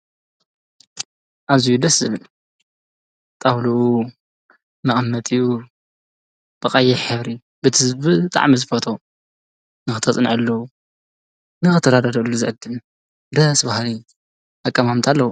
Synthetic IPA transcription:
ʔaβzijud̪ɐsɨβl | t̪ʼɐwluu | mɐχʼmːɐt̪ʼɨju | b̥ɐqʼɐjːɛħɨβɾi | bɨt̪ʰɨzbɨt̪ʼa̰ʕmizɨfot̪ʰo | nɨxɨt̪ʰɐt͡sʼɨnʕɨlːɐwu | nɨxɨt̪ʰːɐd̪ad̪ɐd̪ɐlːuzɨʕɨd̪ːɨm | d̪ɐsbahli | akʼːɐmamt̪ʰalːɐwu

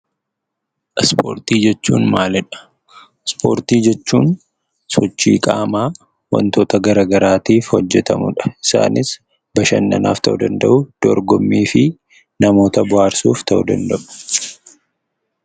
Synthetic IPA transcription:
ʔspo̰ːɾt̪iːd͡ʒɛt͡ʃːuːnmaːlɛᶑɐ̥ | spoːɾt̪iːd͡ʒɛt͡ʃːuːn | sɔt͡ʃːḭːkʼaːmaː | wɐ̰nt̪oːt̪ɐɡɐɾaːɡɐɾaːt̪iːfhɔd͡ʒːɛt̪ɐmʊ̰ᶑɐ̥ɪsa̰ːnɪs | bɐʃɐnːɐ̰naːft̪ɐʔʊd̪ɐnd̪ɐʔʊd̪̥ɔɾɡɔmːiːfɪ | nɐmo̞ːt̪ɐbʊhaːɾsuːft̪ʰɐʔṵd̪ɐ̰nd̪ɐʔʊ̥

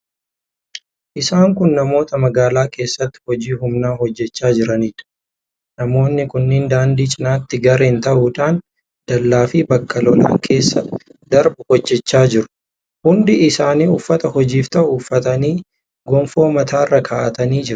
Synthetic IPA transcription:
ʔɪsaːŋkʊnːɐmo̞ːt̪ɐmɐɡaːlaːkʰe̞ːsːɐt̪ːɪ̥hɔd͡ʒiːhʊmnaːhɔd͡ʒːɛt͡ʃːaːd͡ʒɪɾɐniːᶑɐ̥ | nɐmo̞ːnːɪkʊnːɪnd̪aːnd̪iːt͡ʃʼɪnaːt̪ːɪɡɐɾeːnt̪ɐʔuːᶑaːn | d̪̥ɐlːaːfiːbɐkːɐlɔla̰ːŋkʰe̞ːsːɐd̪̥ɐɾbʊhɔd͡ʒːɛt͡ʃːaːd͡ʒɪɾʊ̥ | hʊnd̪ɪɪsaːniːʊfːɐt̪ɐhɔd͡ʒiːft̪ɐʔʊːfːɐt̪ɐniː | ɡɔmfo̞ːmɐt̪ʰaːrːɐkʰaːʔɐt̪ɐniːd͡ʒɪɾʊ̥

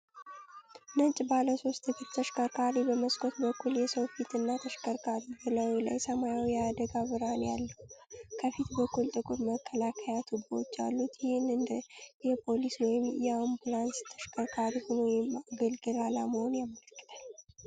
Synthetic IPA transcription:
nənt͡ʃʼbaləso̞st̪ɨɡɨɾt̪ʰəʃkʰʼəɾkʰaɾibəməskʰʼot̪bəkʰːuljɛsəwfit̪ɨnːat̪ʰəʃkʰʼəɾkʰʼaɾibɨləwila̰jsəmajawijɛad̪əɡaβɨɾanjalːəwkʰəfit̪bəkːult̪ʼɨkʼulməkʰːəlakʰəjat̪ʰubwot͡ʃːja̰lːut̪jɪhɪnːɨnd̪jɛpʰo̞liswɔjɪmjɛambulanst̪ʰəʃkʰʼəkʰaɾihonojɪmaɡəlɡɨlalaməho̞njamələkːɨ̥t̪ʰal

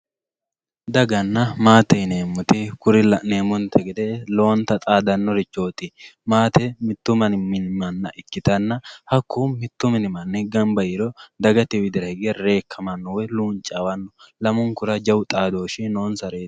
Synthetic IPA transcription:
d̪ɐɡɐnːɐmaːt̪ɛjne̞ːmːʊt̪ɪkʊɾɪlɐne̞ːmʊnt̪ʰɛɡɛd̪elo̞ːnt̪ɐt̪ʼaːd̪ɐnːɔɾɪt͡ʃːo̞ːt̪ɪmaːt̪ɛmɪt̪ːʊmɐnmɪnmɐnːɐʔɪkːɪt̪ɐnːɐhɐkʰːuːmɪt̪ːʊmɪnɪmɐnːɛɡɐmbɐjɪɾɔd̪ɐɡɐt̪ɪwɪd̪ɪɾɐhɪɡeɾe̞ːkʰːɐmɐnːɔwɛluːnt͡ʃʼawɐnːɔlɐmʊŋkʊɾɐd͡ʒɐwt̪ʼaːd̪o̞ːʃɪno̞ːnsɐɾe̥ː

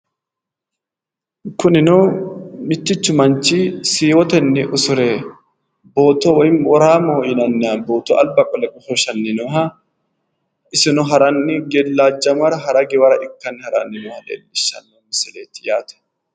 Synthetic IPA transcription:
kʊnɪnoːmɪt͡ʃːɪt͡ʃːʊmɐnt͡ʃisiːwɔt̪ɛnːɪʔʊsʊɾeː | bo̞ːt̪ɔwnwɐɾaːmoːjɪnɐnːaboːt̪ɔʔɐlbɐkʼɔlɛkʼʊfɔʃɐnːɪnɔɐ | ɪsɪnɔɦɐɾɐnːɪɡɛlːaːd͡ʒːɐmɐɾɐɦɐɾɐɡɛwɐɾɐʔɪkːɐnːɪhɐɾa̰nːɪnɔhɐdḛːlːɪʃːɐ̰nːɔmɪsɪleːt̪ːɪ̥jaːt̪ɛ̥

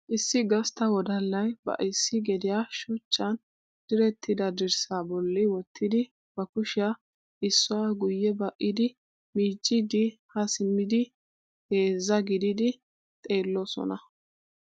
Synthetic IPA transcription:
ʔɪsːɪɡɐst̪ɐwɔd̪ɐlːɐjbɐ̰ʔɪsːɪɡɛd̪ɪjaʃʊt͡ʃʼːɐn | d̪̥ɪɾɛt̪ʰːɪd̪ɐd̪ɪɾsaːbɔlːɪwɔt̪ʰːɪd̪ɪ | b̥ɐkʊʃɪa | ʔɪsːʊwaɡʊjːɛbɐʔːɪd̪ɪ | miːt͡ʃʼːɪd̪ɪhɐsɪmːɪd̪ɪ | heːzːɐɡɪd̪ɪd̪ɪ | t̪ʼe̞ːlːɔsɔ̰nɐ

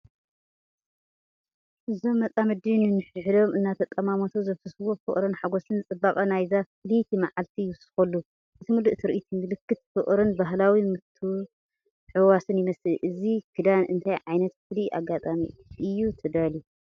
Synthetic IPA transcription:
ʔɨzo̞mːɐt͡s̪ʼamɨd̪inɨnɨħɨʕd̪o̞mɨnːat̪ʰɐt̪ʼːɐmamot̪ʰozɐfɨswofɨ̰ʔʼɾɨnħaɡosɨnt͡sʼɨbːakʼɐnajzafɨlit̪ʰimaʕalt̪ʰijwɨsɨ̥xɐlːu | ʔʔɨt̪ʰɨmuluʔt̪ʰɨɾɨʔit̪ʰinːɨlɨkːɨt̪̚fɨʔʼɾɨnbaɦlawimɨt̪ʰu | ʕɨwasɨnjɪmɐsɨlʔɨzikʰɨd̪anɨ̰nt̪ʰajʕajnɐt̪̚fɨliʔa̰ɡːat̪ʼamḭɨjːut̪ʰɐd̪alju

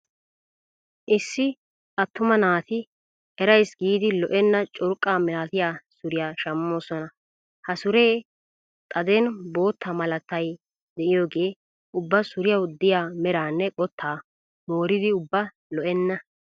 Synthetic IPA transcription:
ʔɪsːɪ | ʔɐt̪ːʊmɐnaːt̪ɪ | ɛɾɐjsɡiːd̪ɪlɔʔɛnːɐt͡ʃʼʊɾʊkʼːaːmɪlaːt̪ɪjaːsʊɾɪjaːʃɐmːo̞ːsɔnɐ | hɐsʊɾe̞ː | t̪ʼɐd̪ɛnbo̞ːt̪ʰːɐmɐlɐt̪ːɐj | d̪ɛʔɪjo̞ːɡe̞ː | ʊbːɐsʊɾɪjɐwd̪ɪjaːmɛɾaːnːɛkʼɔt̪ʰːaː | mo̞ːɾɪd̪ɪʊbːɐ | lɔʔɛnːɐ

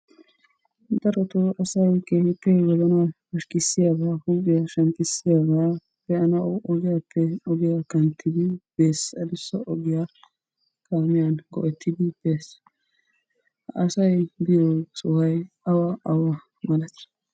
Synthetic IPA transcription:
d̪ɐɾɔt̪ʊʔɐsɐjkeːhɪpːɛwɔzɐna | ɐʃkʼɪsːɪjaɡaːhʊɡɪjaʃɐŋkʼɪsːɪjaːɡa | pɛɐnɐɔɡɪjapʰːɛɔɡɪjakɐnt̪ʰːɪd̪ɪb̥eːsɐd̪ɪsːɔʔɔɡɪja | kaːmɪjanɡɔ̰ʔɛt̪ʰːɪd̪ɪb̥eːs | ɐsɐjbɪjɔsʼʊhɐj | ɐwaʔɐwa | mɐlɐt̪ɪ̥

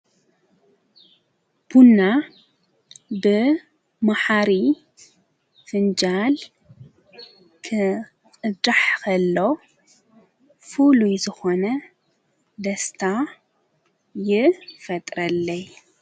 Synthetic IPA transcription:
b̥unːa | bɨ | maħaɾi | fɨnd͡ʒal | kʰɨ | kʼɨd̪ɾaħkʰɐlːo̞ | fulujzɨxonɐ | d̪ɐst̪ʰa | jɪfɐt̪ʼɾɐlːɐj

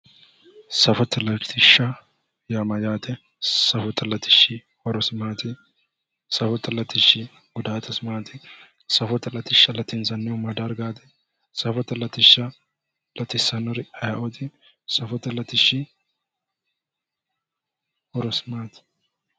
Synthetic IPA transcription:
sɐfɔt̪ːɛlɐt̪ɪʃːɐ | jamɐd͡ʒaːt̪ɛ | sɐfɔt̪ːɛlɐt̪ɪ̥ʃːɪ | hɔɾɔsɪmaːt̪ɪ | sɐfɔt̪ːɐlɐt̪ɪʃːɪ | ɡ̥ʊd̪aːt̪ɐsɪmaːt̪ɪ | sɐfɔt̪ːɐlɐt̪ɪʃːɐlɐt̪ɪnsɐnːɛʊmɐd̪ɐɾɡaːt̪ɛ | sɐfɔt̪ɛlɐt̪ɪʃːɐ | lɐt̪ɪsːɐnɔɾɪɐjɐʔɔt̪ɪ | sɐfɔt̪ːɛlɐt̪ɪʃːɪ | hɔɾɔsɪ̥maːt̪

